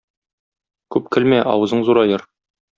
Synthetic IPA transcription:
kʉp̚kɘ̆lmæʔɒ̰wɤ̆zɤɴzuɾɑjɤɾ

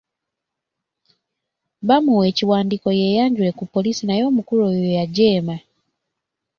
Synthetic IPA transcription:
βamuweciwaːndiko̞jejaɲɟuwekupo̞lisinajo̞ːmukuɾoːjojaɟe̞ːma

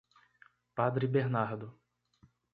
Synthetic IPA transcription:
pad̪ɾɪbeɾnaɾd̪ʊ

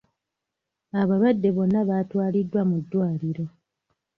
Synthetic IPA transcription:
aβaβadːe̞βo̞nːaβaːtwaːlidːwamudːwaːliɾo̞

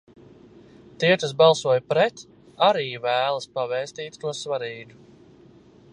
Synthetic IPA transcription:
t̪iɛk̪as̬bɑlˠsuɔjpɾɛt̪ | aɾiːvæːlˠaspavɛːst̪iːt̪t̪uɔsvaɾiːd̪u

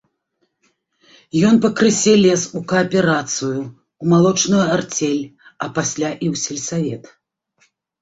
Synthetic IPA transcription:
jɔnpɐkɾɨsʲɛlʲɛsukɐːpʲɛɾat̪sɨju | wmalˠɔt͡ʂnujuart͡sʲɛlʲɐpasʲlʲaʔiwsʲɛlʲsavʲɛt̪

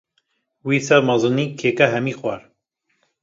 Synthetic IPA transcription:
wiːsɛɾmɑzɨniːkʰeːkɛɦɛmiːxwæɾ

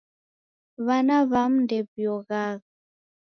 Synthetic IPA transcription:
βanaβam̩ndɛbjɔɣaɣa

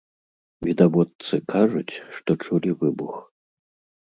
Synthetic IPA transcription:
vʲid̪avɔt̪sɨkʰaʐut͡sʲʂt̪ɔt͡ʂulʲivɨbux

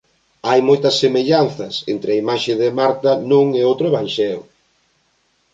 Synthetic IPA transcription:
ajmojt̪ɐsːemeʎan̟θɐsent̪ɾeɐimaʃɪðɪmaɾt̪ɐnũŋeowt̪ɾoeβanʃɛlo

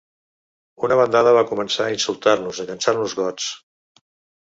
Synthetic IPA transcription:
unəβənd̪aðəβakumənsaəinsulˠt̪aɾnuzəkansaɾnuzɣɔt͡s

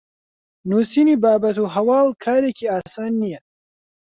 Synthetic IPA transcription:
nuːsiːniːbaːbɐt̪uɦɐwaːlkʰaːɾeːkiːaːsaːnːijɐ

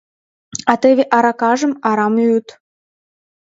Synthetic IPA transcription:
ɑt̪eβʲeʔɑɾɑkɑʒə̆mɑɾɑmjyt̪

